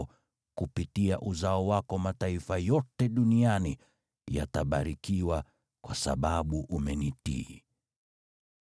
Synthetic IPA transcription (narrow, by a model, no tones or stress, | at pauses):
kupitiaʔuzaɔwakɔmataifajɔtɛɗuniani | ja̰taɓa̰ɾikiwa | kwasa̰ɓaɓuʔumɛnitḭː